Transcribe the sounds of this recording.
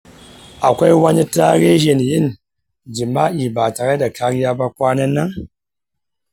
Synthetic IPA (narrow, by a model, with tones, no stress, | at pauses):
a˨kʷa˦jwa˦ɲi˦ta˦ɾe˦ʒe˨n˨ji˦n | d͡ʒi˨ma˦i˨ba˨ta˨ɣe˦da˨kʰa˦ɾja˦ba˦kʷa˦ne˦nːa˦ŋ